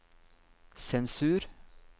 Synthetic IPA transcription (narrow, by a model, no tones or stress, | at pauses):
sɛnsʉːɾ